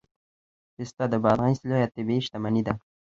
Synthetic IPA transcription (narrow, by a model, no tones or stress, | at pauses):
ɪst̪ad̪əbɑd̪ʁanislojat̪ːebeiʃt̪amanid̪a